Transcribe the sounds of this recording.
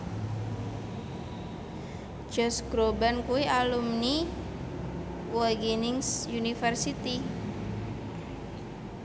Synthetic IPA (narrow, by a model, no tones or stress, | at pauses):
d͡ʒɔsɡ̥ɾobankuwiʔalumni | wɔɡinɪŋsjunifərsit̪i